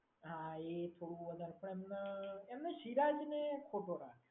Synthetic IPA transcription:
ɦãet̪ʰoɽũʋəd̪ʱaɾpəɳemnaemnaʃiɾad͡ʒnekʰoʈ̪oɾa̰

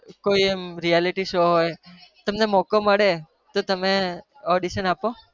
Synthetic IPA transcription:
koiemɾijaliʈiʃoɦojt̪əmnemɔkəməɽe | t̪ot̪əme | ɔɽiʃənapo

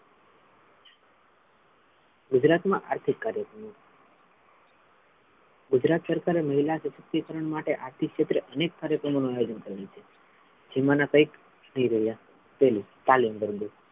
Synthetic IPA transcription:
ɡud͡ʒɾat̪mã̰ʔaɾt̪ʰikːaɾjəkɾəmo | ɡud͡ʒɾat̪səɾkaɾeməɦilasəʃəkt̪ikəɾəɳmaʈeʔaɾt̪ʰikʃet̪ɾeʔənekːaɾjəkɾəmonuajod͡ʒənkəɾelit͡ʃʰe | d͡ʒimanakəik | nəɦĩɾəɦja | p̪elit̪alimbəɾd̪u

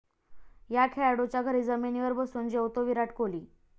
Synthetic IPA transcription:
jakʰeaɽot͡ɕjaɡʱəɾiːd͡zəmeniʋəɾbəsuːnd͡ʑeʋt̪oʋiɾaʈʰkoliː

